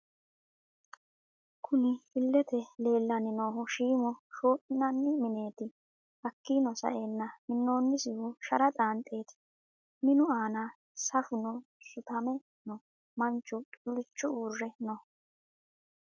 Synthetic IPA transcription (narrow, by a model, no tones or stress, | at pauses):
kʰʊnɪɪlːɛt̪ɛle̞ːlːɐnɪno̞ːɦɔʃiːmɔʃo̞ːʔɪnɐnːɪmɪneːt̪ɪ | hɐkːinɔsɐ̰ʔe̞ːnːɐmɪnːo̞ːnːɪsɪhʊʃɐɾɐt̪ʼaːnt̪ʼːe̞ːt̪ɪ̥ | mɪnʊaːna | sɐfʊnɔ | ʃʊt̪ɐmɛ | nɔ | mɐnt͡ʃːʊt̪ʼʊlɪt͡ʃːʊuːrːɛnɔ